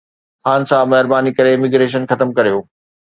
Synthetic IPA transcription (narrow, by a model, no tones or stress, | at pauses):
haːn̆sãmɐɦɪɾbaːnikɐɾeɪmɪɡɾeːʃ̬ənxɐt̪əmkɐɾijoː